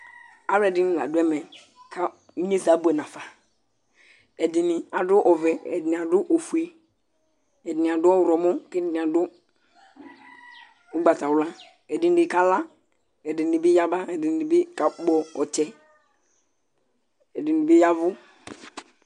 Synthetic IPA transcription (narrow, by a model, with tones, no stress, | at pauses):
a˦wɛ˨dɪ˦n˦la̰˨dʊ˦ɛ˦mɛ˨ | kʰa˦ | i˦ɲe˦sa˨˦bu˦ɛ˨nã˨fa˨ | ɛ˨dɪ˨nɪ˨a˨dʊ˦ʔɔ˨vɛ˨ɛ̰˨dɪ˨ni˨a˨dʊ˦ʔo˨fu˨e˨ | ɛ˨dɪ˨nɪ˨a˨dʊ˦ɔ˦wɾɔ˨mɔ˦kɛ˦dɪ˨n˨a˨dʊ˦ | ʊ˦ɡ͡ba˨ta˨wla˦ | ɛ˨dɪ˨n˨dɪ˨ka˨la˦ | ɛ˨dɪ˨n˨ɪ˨bɪ˦ja˦ba˦ɛ˨dɪ˨n˨ɪ˨bɪ˦ka˨˦ɡ͡bɔ˨ɔ˨t͡ʃɛ˨ | ɛ˨dɪ˨nɪ˨bɪ˦ja˦vʊ˦